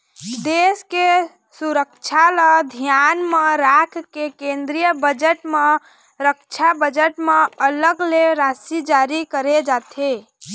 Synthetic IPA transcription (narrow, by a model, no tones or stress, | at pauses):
d̪eske | suɾəkt͡ʃʰaləd̪ʱijanmeɾakʰkekẽnd̪ɾijəbəd͡ʒəʈme | ɾəkt͡ʃʰabəd͡ʒəʈmeələɡleɾasid͡ʒaɾikəɾed͡ʒat̪ʰe